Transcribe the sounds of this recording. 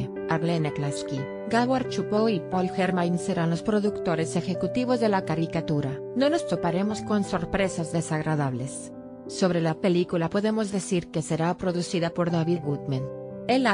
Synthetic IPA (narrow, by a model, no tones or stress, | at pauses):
aɾlenaklaski | ɡaβaɾt͡ʃupoipolxeɾmajnseɾanlo̞spɾo̞ðukt̪o̞ɾe̞sexe̞kut̪iβo̞zðe̞lakaɾikat̪uɾa | no̞no̞st̪o̞paɾe̞mo̞sko̞nso̞ɾpɾe̞sazðe̞saɣɾaðaβlesː | o̞βɾe̞lape̞likulapo̞ðe̞mo̞zðe̞siɾke̞se̞ɾapɾo̞ðusiðapo̞ɾðaβiðɣut̪mãn | el